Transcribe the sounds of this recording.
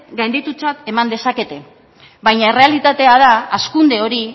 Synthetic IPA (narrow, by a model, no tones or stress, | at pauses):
ɡajnd̪it̪ut͡sat̪e̞mand̪e̞sake̞t̪e̞ | βajɲae̞re̞alit̪at̪e̞að̞aːskund̪e̞o̞ɾi